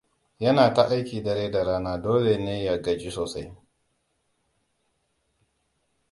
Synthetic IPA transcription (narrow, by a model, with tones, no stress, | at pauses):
jɐ˦naː˨ta˦˨ʔa˦jkʲiː˨dɐ˨ɾeː˦da˨ɾaː˦naː˦doː˦le˨neː˦ja˦˨ɡɐ˨d͡ʒi˦soː˨sa˦j